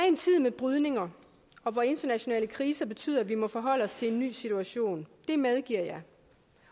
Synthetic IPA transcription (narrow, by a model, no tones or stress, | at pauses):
æɐe̝nt͡sʰið̞̰ˠmeb̥ʁyð̞ˠne̝ŋɐ | ɒ̽ʋɒe̝nd̥ɐnæɕo̝nɛ̰ːləkʰʁiːsɐb̥e̝t͡sʰy̰ð̰ˠɐʋimɒ̽fɒ̽ɦɒ̽l̰əɒ̽st͡sʰe̝e̝nːy̰ːsit͡sʰuæɕo̝̰ːnd̥e̝með̞ˠɡ̥iɐ̰jɑ̈ɪ